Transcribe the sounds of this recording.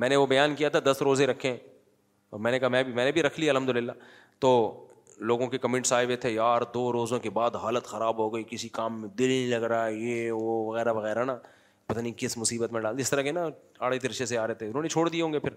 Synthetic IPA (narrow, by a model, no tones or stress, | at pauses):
mɛ̃ːneʋobɐjaːnkijat̪ʰad̪ɐsɾoːzeɾɐkʰːẽɦɛ̃ | ɔːɾmɛ̃ːnekaɦamɛ̃ːbʱimɛ̃ːnẽbʱiɾɐkʰlieɐlɦəmd̪ʊlɪlːaː | t̪oː | loːɡõkekɐmɪ̃ɳʈsaːɦebet̪ʰejaːɾd̪oːɾoːzõkebaːd̪ɦaːlət̪xɐɾaːbɦoːɡəikɪsikaːmːẽd̪ɪlnĩlɐɡɾaːejeːʋoʋɐɣɛːɾaʋɐɣɛːɾana | pɐt̪aːnikɪsmʊsiːbət̪mẽɖaːld̪iɪst̪ɐɾakena | aːɽet̪̬ɪɾʃeseaːɾɛɦet̪eeʊnõːnet͡ʃʰoːɽd̪ijeɦõːŋɡepʰɪɾ